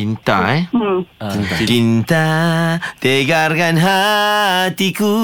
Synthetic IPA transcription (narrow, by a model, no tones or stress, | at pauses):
int̪a̰e | it͡ʃint̪a | t̪eɡarkanɦa | t̪iku